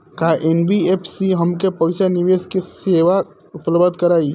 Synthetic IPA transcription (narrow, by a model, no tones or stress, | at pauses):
kaʔenbiepʰsiɦəmkepəʋsaniʋeːskiseːʋa | ʊpləbd̪kəɾaːi